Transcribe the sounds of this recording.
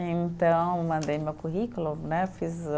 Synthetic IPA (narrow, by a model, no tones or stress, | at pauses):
ẽnt̪ɐ̃w̃mɐ̃nd̪ejmɐkuɦikulunɛfiz